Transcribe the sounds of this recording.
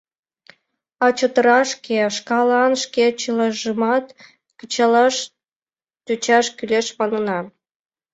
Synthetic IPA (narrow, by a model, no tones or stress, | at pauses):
ɑt͡ɕot̪əɾɑʃkeʃkɑlɑnʃket͡ɕəlɑʒəmɑt̪ | kət͡ɕɑlɑʃ | t̪yt͡ɕɑʃkyleʃmɑnənɑ